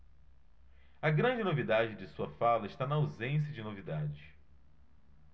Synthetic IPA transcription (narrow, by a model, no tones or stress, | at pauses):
ɐɡɾɐ̃d͡ʒɪnovid̪ad͡ʒɪd͡ʒɪsuɐfalɐɪʃt̪anɐawzẽs̬jɐd͡ʒɪnovid̪ad͡ʒɪʃ